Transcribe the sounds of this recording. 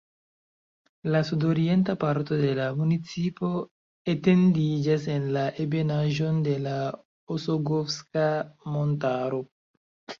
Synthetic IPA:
lasudo̞ɾie̞ntapaɾto̞de̞lamunit͡sipo̞ | ete̞ndid͡ʒas̬e̞nlaʔe̞be̞naʒo̞nde̞la | osoɡofskamo̞ntaɾo̞

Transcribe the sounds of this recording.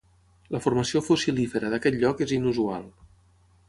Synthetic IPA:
ləfurməsiofusilifəɾəðəkɛt̪ʎɔkezinuzua̰lˠ

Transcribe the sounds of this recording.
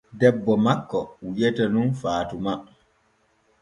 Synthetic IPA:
dɛbːɔmakːɔujɛtanunfaːtuma

